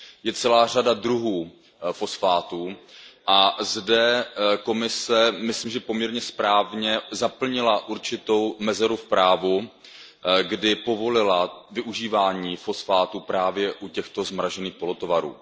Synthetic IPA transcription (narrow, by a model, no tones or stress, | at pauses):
jɛt͡sɛlaːr̝adadɾuɦuː | fo̞sfaːt̪uːʔazdɛko̞mɪsɛmɪsliːmʒɛpo̞mɲɛɾɲɛspɾaːvɲɛzapl̩ɲɪlaʔuɾt͡ʃɪt̪o̞wmɛzɛɾufpɾaːvu | ɡdɪpo̞vo̞lɪlavɪʔuʒiːvaːɲiːfo̞sfaːt̪upɾaːvjɛʔucɛxt̪o̞zmɾaʒɛniːxpo̞lot̪ovaɾṵː